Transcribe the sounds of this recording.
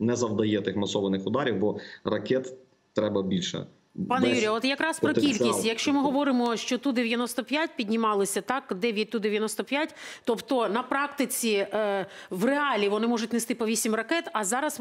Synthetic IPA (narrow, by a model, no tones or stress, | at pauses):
nɛzɐwd̪ɐjɛt̪ɪxmɐsɔʋɐnɪxʊd̪ɑɾʲiwbɔrɐkɛt̪ | t̪ɾɛbɐbʲilʲʃɛ̰ | pɑnɛjuijɐɔt̪jɐkɾɑspɾɔkilʲkʲisttjɐkʃt͡ʃɔmɪɦɔʋɔɾɪmɔʃt͡ʃɔt̪ud̪eʋʲjɐnɔst̪ɔpʲjatʲpʲidʲnʲimɑlˠɪsʲɐt̪ɑkd̪ɛʋʲjɐt̚ʲt̪ud̪eʋʲjɐnɔst̪ɔpʲjatʲt̪ɔpt̪ɔnɐpɾɑkt̪ɪt͡sʲi | ʋreɑlʲiʋɔnɪmɔʐʊtʲnest̪ɪpɔʋʲisʲimrɐkɛt̪ɐzɑɾɐs